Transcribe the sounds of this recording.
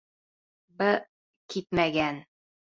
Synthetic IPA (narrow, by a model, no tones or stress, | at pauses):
bɘ | kit̪mæɡæn